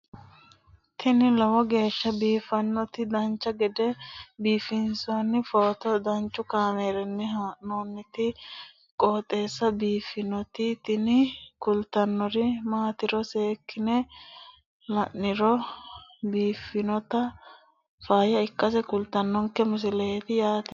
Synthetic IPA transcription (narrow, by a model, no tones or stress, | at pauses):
t̪ɪnɪlɔwɔɡe̞ːʃːɐbiːfɐnːɔt̪ɪd̪ɐnt͡ʃːɐɡɛd̪ɛbiːfɪnsʊɐnːɪfoːt̪ɔd̪ɐnt͡ʃːʊkaːmeːɾɛnːɛɦaːʔnoːnːɪt̪ɪ | kʼoːt̪ʼe̞ːsːɐbiːfːɪnɔt̪ɪt̪ɪnɪkʊlt̪ːɐnːɔɾɪmaːt̪ɪɾɔse̞ːkːɪnɛ | lɐʔːɪɾɔ | biːfːɪnɔt̪ɐ | faːjɐɪkːɐsɛkʊlt̪ːɐnːɔŋkːɛmʊs̬ɪlɐɛt̪ɪjaːt̪